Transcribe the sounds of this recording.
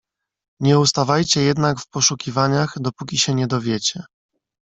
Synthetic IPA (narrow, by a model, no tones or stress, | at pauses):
ɲɛust̪avajt͡ɕɛjɛd̪nakfpɔʂukʲivaɲaxd̪ɔpukʲiɕɛɲɛd̪ɔvʲjɛt͡ɕɛ